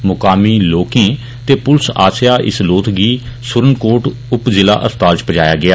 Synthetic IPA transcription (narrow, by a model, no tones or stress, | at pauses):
mʊkaːmiːloːkẽː | t̪eːpʊlsa̰ːsɪjaːʔɪ̰sloːt̪ʰɡiːsʊɾənkoːɾʈ | ʊpzɪla̰ːʔəst̪aːlt͡ʃpəd͡ʒaːja̰ːɡɪaː